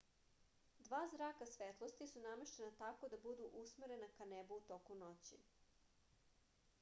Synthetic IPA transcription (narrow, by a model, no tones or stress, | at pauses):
d̪ʋaːzɾaːkasʋet̪lˠost̪isunameʃt̪enat̪ako̞d̪abud̪uʔusmeɾe̞nakanebuut̪o̞kunot͡ɕḭ